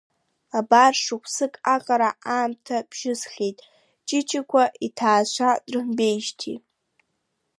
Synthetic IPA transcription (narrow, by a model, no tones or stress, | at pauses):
abarʂɨχʷʰsɨkʼaqʼaɾaaːmtʰab̥ʒ̥ɪzχʲejtʼ | t͡ʃʼɪt͡ʃʰakʷʰaʔitʰaːʃʷʰadrɨmbe̞jʃtʰḭ